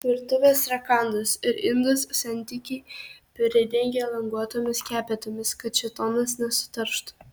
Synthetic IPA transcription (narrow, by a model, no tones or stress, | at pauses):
ʋʲɪɾt̪ʊʋʲeːsɾɐkɑˑnd̪ɐsɪɾɪnd̪ʊssɐnʲt̪ʲɪkʲɛɪpʲɪɾʲɛd̪ʲɛŋʲɡʲeɛːlˠɐŋɡuɔt̪oːmʲɪskʲæːpʲɛt̪oːmʲɪskɐt̪̚t͡ʃʲɪt̪oːnɐsnʲɛsʊ̥t̪ɐɾʃt̪ʊ̥